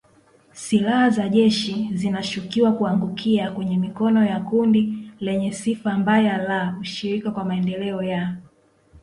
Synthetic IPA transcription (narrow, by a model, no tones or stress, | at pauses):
silahazaʄɛʃizinaʃukiwakuaŋɡukʰiakwɛɲɛmikɔnɔjakundilɛɲɛsifambajalauʃiɾikakwamaɛndɛlɛɔja